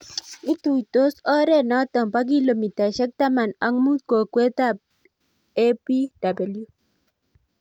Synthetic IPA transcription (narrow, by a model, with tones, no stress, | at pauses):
i˦tu˨to˦sɔ˦ɾɛ˦˨nɔ˦tɔ˨mpa˦k̬i˦lo˨mi˨ta˨ʃɛ˦k̚ta˦ma˨na˨˦ŋmu˦t̪̚ko˨kwe˦t̪a˦ | e˦pi˦d̥a˨be˨lju˦